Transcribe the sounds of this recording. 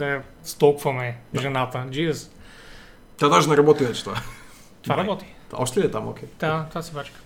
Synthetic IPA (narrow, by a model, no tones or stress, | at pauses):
d̪ɐjast̪ɔkfamɛʒɛnat̪ad͡ʒiɛs | t̪ʲad̪aʃnɐɾabɔt̪ivɛt͡ʃɛ̥t̪oa | t̪vaɾabɔt̪i̥aɔʃt̪ɔiɛt̪amo̰kʰʲet̪at̪asɛpat͡ʃk